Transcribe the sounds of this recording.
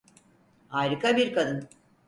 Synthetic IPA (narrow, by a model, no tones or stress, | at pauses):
aːjɾɯkabiɾkɐd̪ɯn